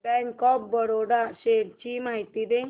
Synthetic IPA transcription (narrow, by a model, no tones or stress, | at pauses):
bɛŋkɔp̚bəɽoɽaɕeɾt͡ɕimaɦit̪id̪e